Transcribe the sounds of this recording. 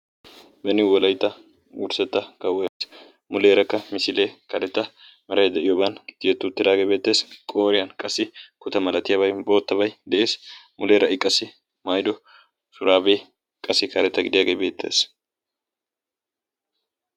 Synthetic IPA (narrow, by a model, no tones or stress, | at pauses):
bɛnɪwɔlɐjt̪ːɐ | wʊɾsɛt̪ːɐkɐwɔjɐs | mʊleːɾɐkːɐmɪsɪleːkɐɾɛt̪ːɐ | mɛɾɐjd̪ɛʔɪjoːbɐnd̪̥ɪjɛt̪ːʊt̪ːɪd̪aːɡeːbe̞ːt̪ːe̞ːskʼo̞ːɾɪjɐnkʼɐsːɪkʊt̪ɐmɐlɐt̪ɪjɐbɐjbo̞ːt̪ːɐbɐjd̪ɛʔe̞ːsmʊleːɾɐʔɪkʼːɐsɪ | maːjd̪ɔ | sʊɾaːbeː | kʼɐsːɪkɐɾɛt̪ːɐɡɪd̪ɪjaːɡejbe̞ːt̪ʰːe̞̰ːs